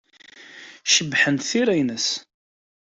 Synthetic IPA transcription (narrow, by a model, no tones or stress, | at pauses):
ʃəbːħənt̪θiɾæjnəs